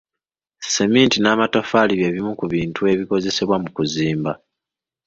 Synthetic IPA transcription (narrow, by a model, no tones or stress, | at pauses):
se̞miːntinaːmato̞faliβje̞βimukuβiːntʰue̞βiko̞ze̞seβwamukuziːmba